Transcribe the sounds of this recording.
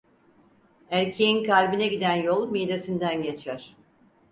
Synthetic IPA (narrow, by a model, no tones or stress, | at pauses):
æɾcʰejinkalʲbinɛɟid̪ænjolˠmijd̪esind̪ænɟe̞t͡ʃʰæɾ̥